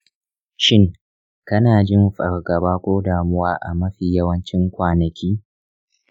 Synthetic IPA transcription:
ʃɪ˦ŋ | kɐ˦naː˨d͡ʒɪ˦mɸʼɐ̰˨rɡɐ˨baː˦kʷoː˦daː˨mʊ˦waː˦ʔa̰˨mɐ˦ɸiː˨jɐ˦wɐ˦nt͡ʃɪ˦ŋkʷaː˨nɐ˨kʲiː˦

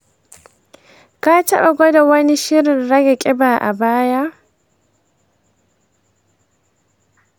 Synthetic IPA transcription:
ka˦t͡ʃɐ˦ɓa˨ɡʷo˦da˨wɐ˦ni˦ʃɪ˦ɾɪ˨nɾɐ˦ɡa˨kʲʼɪ˦baː˨ʔa̰˨baː˦ja˦

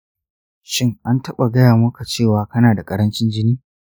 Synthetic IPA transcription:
ʃɪ˦ŋʔa˦ntɐ˦ɓa˨ɡɐ˦jaː˨mʊ˦ka˨t͡ʃeː˦˨waː˨kɐ˦naː˨da˨kʼɐ˦ɾɐ˦nt͡ʃɪ˦nd͡ʒɪ˦niː˦

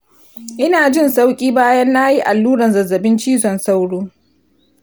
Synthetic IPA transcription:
ʔɪ˦naː˨d͡ʒɪ˦nsa˦wkʲʼiː˦baː˦jɐ˦nːa˦ji˦ʔa˨lːuː˦ɾɐ˨nzɐ˨zːɐ˨bɪ˦nt͡ʃiː˦zɔ˨nsa˦wɽuː˦

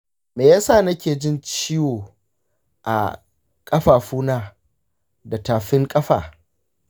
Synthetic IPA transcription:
meː˨jaː˦saː˦˨nɐ˦kʲeː˨d͡ʒɪ˦nt͡ʃiː˦woː˨ | ʔa̰˨ | kʼɐ˦ɸaː˨ɸuː˦naː˦ | da˨taː˨ɸɪ˦ŋkʼɐ˦ɸa̰ː˨

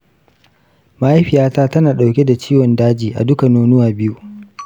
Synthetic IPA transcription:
ma˨ʔa˦jɸɪ˨jaː˦taː˦tɐ˦naː˨ɗa˨wkʲe˦da˨t͡ʃiː˦wɔ˨ndaː˦d͡ʒiː˨ʔa̰˨dʊ˦ka˨noː˦nʊ˦waː˨bɪ˦ju˦ʔ

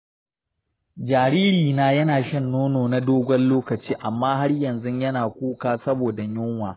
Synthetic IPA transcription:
d͡ʒaː˨ɾiː˦ɾiː˨naː˦jɐ˦naː˨ʃɐ˦nːoː˦noː˨na˦doː˦ɡʷɔ˦nloː˦kɐ˨t͡ʃiː˦ʔa˨mːaː˦ɦa˦rjɐ˨nzʊ˦ɲjɐ˦naː˨kʷuː˦kaː˦sɐ˦boː˨da˨ɲʊ˦ŋwaː˨

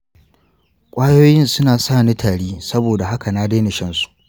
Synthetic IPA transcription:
kʷʼaː˦joː˦jɪ˦nsʊ˦naː˨saː˦˨ni˦tʰaː˨ɽiː˦sɐ˦boː˨da˨ɦa˦ka˨naː˦deː˦nɪ˨ʃɐ˦nsu̥˨ʔ

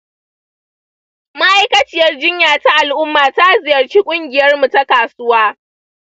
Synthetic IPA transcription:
ma˦ʔa˦jkɐ˦t͡ʃɪ˦˨jɐ˦rd͡ʒɪ˦ɲjaː˨ta˦ʔa˨lʔʊ˦mːaː˨ta˦zɪ˨jɐ˨rt͡ʃiː˦kʷʼʊ˦ŋɡʲɪ˨jɐ˦rmu˨ta˦kaː˨sʊ˦waː˦

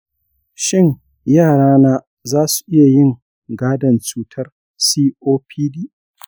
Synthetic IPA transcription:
ʃɪ˦ɲ | jaː˦˨ɽaː˦naː˦ | zaː˦su̥˨ʔɪ˦ja˨jɪ˦ŋ | ɡaː˦dɐ˨nt͡ʃuː˦tʰɐ˦r | siː˦ʔoː˦pʰiː˦diː˦˨ʔ

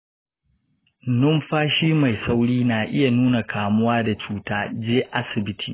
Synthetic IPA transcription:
nʊ˦mɸaː˦ʃiː˦ma˨jsa˦wɽiː˦naː˨ʔɪ˦ja˨nuː˦na˨kʰaː˨mʊ˦waː˦da˨t͡ʃuː˦taː˦d͡ʒeː˦ʔa˦sɪ˨bɪ˦tʰḭː˨

